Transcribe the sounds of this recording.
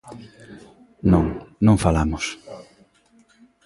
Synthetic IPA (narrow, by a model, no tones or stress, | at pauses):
nõŋnõŋfalamʊs